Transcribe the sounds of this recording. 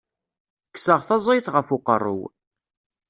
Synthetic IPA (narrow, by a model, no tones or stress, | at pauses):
kːsəʁθɑzˤiθʁəfuqərˤːṵw